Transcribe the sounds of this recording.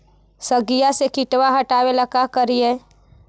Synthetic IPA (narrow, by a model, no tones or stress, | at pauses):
səɡijasekɪʈwaɦəʈaːweləkakəɾiẽː